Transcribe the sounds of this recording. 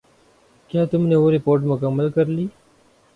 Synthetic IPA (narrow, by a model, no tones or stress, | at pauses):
kjaːt̪ʊmneoːɾɪpoːɾʈ̬mʊkəmːəlkəɾliː